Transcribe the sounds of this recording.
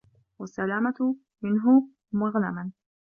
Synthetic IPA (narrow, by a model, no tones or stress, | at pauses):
wasːalaːmat̪ | mɪnɦʊ | maɣla̰man